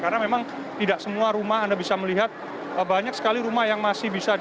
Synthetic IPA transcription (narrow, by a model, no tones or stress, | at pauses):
karnamemaŋ | t̪idaʔsəmuaɾumaɦandabisaməliɦat̪̚ | əbaɲak̚sə̥kaliɾumahjaŋmasɪhbisa